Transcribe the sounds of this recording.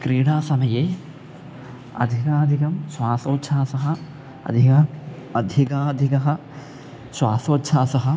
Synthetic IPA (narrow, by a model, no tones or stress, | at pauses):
kɾiːɽaːsɐmɐjeː | ɐ̰d̪ʱikaːd̪ʱikɐmsʋaːsoːtːʃʰaːsɐɦɐ | ɐ̰d̪ʱikɐ | ɐd̪ʱikaːd̪ʱikɐɦɐ | sʋaːsoːtːʃʰaːsɐɦɐ